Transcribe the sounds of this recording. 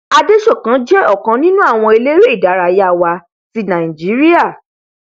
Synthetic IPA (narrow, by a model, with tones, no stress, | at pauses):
a˧de˦ʃɔ˦˨kã˨˦d͡ʒɛ˦ɔ˦˨kã˨˧˦nĩ˦nũ˦a˦˨w̃ɔ̃˧e˧le˦ɾe˦i˦˨da˨˦ɾa˧˨ja˦˨wa˧ | ti˨˦nã˨ĩ˨d͡ʒi˨˦ɾi˦a˦˨